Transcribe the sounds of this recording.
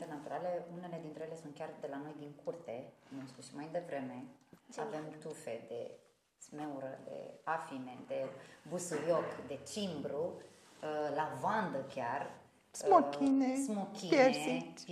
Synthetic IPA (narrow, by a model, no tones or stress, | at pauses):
t̪enat̪uɾaleune̞le̞d̪int̪ɾejele̞sunt̪̚kʲard̪e̞lano̞jd̪iŋkurt̪e̞nust̪uʃimajd̪evɾe̞me̞t͡ʃave̞mt̪ufe̞d̪e̞̰ | tt̪sme̞uɾəd̪e̞̰afine̞d̪e̞busujokd̪e̞t͡ʃimbɾu | əlavand̪əkʲar | smokʲinesmokʲijesei